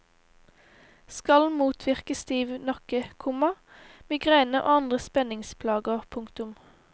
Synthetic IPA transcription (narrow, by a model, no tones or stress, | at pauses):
skɑlmuːt̪ʰʋɪʁkəst̪iːʋnɑkəkʰʊmɑ | mɪːɡʁæɪnəʔo̰ːɑnd̪ʁəspɛnɪŋspʰlɑːɡəʁpʰʊŋkt̪ʊm